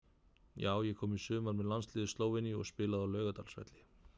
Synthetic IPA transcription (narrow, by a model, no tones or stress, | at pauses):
jaːwjɛkʰɔːmisʏːmaɾmɛðlanslɪːðɪst̪loːwvɪniɔ̰ɣspɪːlaðawlœːɣat̪alsvɛ̰t̪lɪ